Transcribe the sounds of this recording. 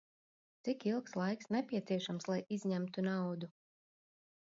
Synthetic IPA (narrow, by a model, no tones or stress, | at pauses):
t̪sikilˠkslˠajksnɛpʲiɛt̪siɛʃamslˠajizʲɲæmt̪unawd̪u